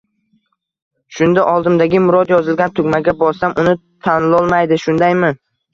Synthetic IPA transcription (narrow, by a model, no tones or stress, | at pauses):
ʃʊnd̪aʔɒlˠd̪ɪmd̪aɡʲɪmʊɾɒd̪jɒzɪlɡʲant̪ʰʊɡʲmaɡʲabɒɾsamʔʊnɪt̪ʰanɪlɒlˠmajd̪ɪʃʊnd̪ajmɪ